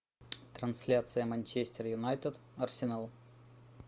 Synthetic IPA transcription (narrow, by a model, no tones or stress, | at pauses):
t̪ɾɐnsʲlʲat̪sɨjəmɐnʲt͡ɕesʲtʲɪɾjʊnajt̪əd̪ɐrsʲɪnalˠ